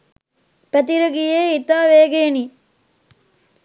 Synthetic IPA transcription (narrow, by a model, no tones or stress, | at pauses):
pɐt̪iɾoɡijeːit̪aːʋeːɡeni